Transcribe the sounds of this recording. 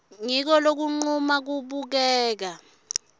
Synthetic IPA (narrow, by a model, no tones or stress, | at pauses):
ŋik̬ɔlok̬uŋ͡ǃumak̬uɓuk̬ɛːk̬a